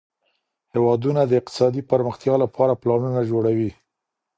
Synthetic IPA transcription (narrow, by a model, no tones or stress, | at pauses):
hewɑd̪unad̪əɪq̚t̪ɪ̥sɑd̪ipəɾməxt̪jɑlapʰɑɾaplɑmunad͡ʒoɽawi